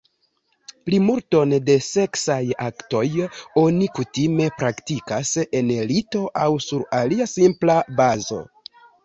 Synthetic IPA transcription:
plimulto̞nde̞se̞ksaja̰kto̞jo̞nikutime̞pɾaktikase̞nelito̞ʔawsuɾaliasimplabazo̞̰

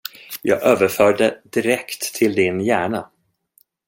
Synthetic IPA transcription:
jɑ̰ːɡʔøːvəɾfœːɖəd̪ɪɾɛkt̪ʰːɪld̪ɪnjæːɳa

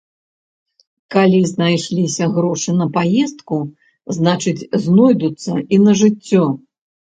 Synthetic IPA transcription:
kalʲiznajʂlʲisʲɐɣɾɔʂɨnɐpajɛst̪̚ku | znat͡ʂɨt͡sʲznɔjd̪ut̪sːɐ̰inɐʐɨt͡sʲːɔ

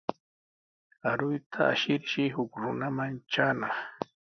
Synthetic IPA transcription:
aɾʊjt̪ʰaa̰ʃɪɾʃɪhʊkɾʊnamaŋt͡ʃaːnɑχ

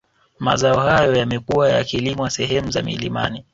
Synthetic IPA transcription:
ma̰zaɔhajɔjamɛkuwaja̰kilimɔasɛhɛmuzamḭlima̰ni

